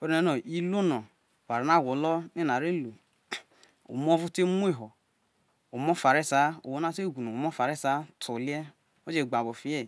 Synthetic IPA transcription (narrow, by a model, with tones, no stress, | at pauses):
wɛ˦ɾnɛ˧˦nɔ˨i˦lo˦nɔ˨ | wa˨ɾa˨na˦˨wo˨lɔ˦ni˦na˨ɾe˦˨lu˨ | o̰˨m˦o˦vu˦te˦mu˦e˦˨ɦɔ˨ | o˨mɔ˦fa˨ɾe˦sa˨˦o˨wo˦na˦te˦˨ɡʷu˨nu˨mɔ˦fa˨ɾe˦sa˨˦tʰo˨li˦ɛ˦ | o˦d͡ʒe˦˨ɡ͡ba˨bo˨fi˨˦ɛ˦˨